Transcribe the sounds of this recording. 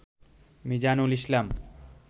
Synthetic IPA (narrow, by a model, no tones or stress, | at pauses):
mid͡ʑanuliʃlam